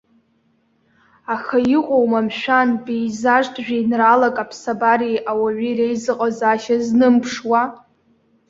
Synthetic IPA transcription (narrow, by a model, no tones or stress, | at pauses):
axajiqʷʼowmamʃᶣanbejzaʐtʰʼʒᶣinralakʼapʰsabarijʔawaɥʷirejzɨqʼazaʃaznɨmpʰʂwa